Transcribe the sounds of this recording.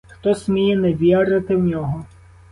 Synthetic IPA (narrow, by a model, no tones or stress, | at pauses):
xt̪ɔsʲmʲijɛnɛʋʲɛɾɪt̪ɪwnʲɔɦɔ